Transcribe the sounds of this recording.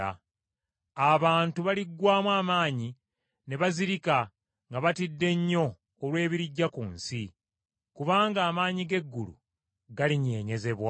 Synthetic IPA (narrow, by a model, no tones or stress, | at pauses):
a̰ | aβaːntuβaliɡwaːmwaːmaːɲi | ne̞βaziɾika | ŋɡaβatidːe̞ɲːo̞ː | lwe̞ːβiɾiɟːakuːnsi | kuβaːŋɡaːmaːɲiɡe̞ɡːulṵ | ɡaliɲe̞ːɲe̞ze̞βwa